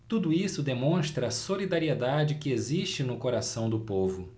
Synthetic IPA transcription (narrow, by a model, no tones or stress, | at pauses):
t̪ud̪ʊisʊd̪emõʃt̪ɾɐːsolid̪aɾied̪ad͡ʒɪkɪeziʃt͡ʃɪnʊkoɾasɐ̃w̃d̪ʊpovʊ